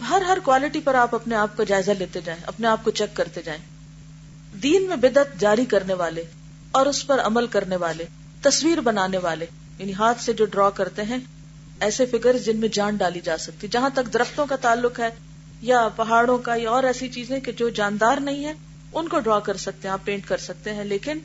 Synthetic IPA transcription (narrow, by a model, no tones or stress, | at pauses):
ɦɐɾɦɐɾkwaːlɪʈipɐɾaːpɐpneaːp̚kad͡ʒaːɪzaleːt̪ed͡ʒaːẽʔɐ̰pneaːp̚kot͡ʃɛkːɐɾt̪ed͡ʒaːẽː | d̪iːnmẽbɪd̪ət̪d͡ʒaːɾikɐɾneʋaːle | ɔːɾʊspɐɾɐ̰məlkɐɾneʋaːle | t̪ɐswiːɾbɐnaːneʋaːle | jaːniɦaːt̪ʰsed͡ʒoːɖɾɔːkɐɾt̪eɦɛ̃ | ɛːsefɪkəɾzd͡ʒɪnmẽd͡ʒãːɳɖaːlid͡ʒaːsɐk̚t̪iɛd͡ʒɐɦãt̪ɐkd̪ɐɾəft̪õkat̪aːlːʊkɦɛː | japɐɦaːɽõkajaɔːɾɛːsit͡ʃiːzẽked͡ʒoːd͡ʒaːnd̪aːɾnɐɦĩɦɛ̃ | ʊnkoɖɾɔːkɐɾsɐk̚t̪eɦãpẽːɳʈkɐɾsɐk̚t̪eɦɛ̃leːkɪn